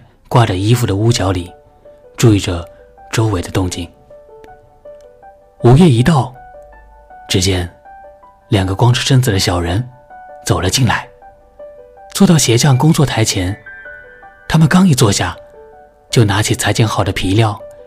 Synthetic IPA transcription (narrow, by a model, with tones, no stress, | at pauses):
kwa˥˧ʈ͡ʂə˨˩i˥fu˥˩d̪ə˩u˥t͡ɕjɑ˧˥ʊli˨˩˦ | ʈ͡ʂu˥˧i˥˩ʈ͡ʂə˩ | ʈ͡ʂo˥ʊwe˧˥ɪd̪ə˧t̪ʊ˥˧ŋt͡ɕi˥˩ŋ | u˨˩ɥɛ˥˩i˧˥t̪ɑ˥˩ʊ | ʈ͡ʂɻ̩˥t͡ɕjɛ˥n | ljɑ˨˩ŋɡə˧˦kwɑ˥ŋʈ͡ʂʰu˥ʂə˥nt͡sɹ̩˨˩d̪ə˦ɕjɑ˨˩ʊɻə˧˥n | t͡so˨˩ʊlə˦t͡ɕi˥˩nla˧˥ɪ | t͡swɔ˥˧t̪ɑ˥˩ʊɕjɛ˧˥ɕjɑ˥˩ŋkʊ˥ŋt͡swɔ˥˩t̪ʰa˧˥ɪt͡ɕʰjɛ˧˥n | t̪ʰa˥mə˨nkɑ˥ŋi˨˩t͡swɔ˥˧ɕja˥˩ | t͡ɕjo˥˩ʊna˧˥t͡ɕʰi˨˩t͡sʰa˧˥ɪt͡ɕjɛ˥˩nxɑ˨˩ʊd̪ə˦pʰi˧˥ljɑ˥˩ʊ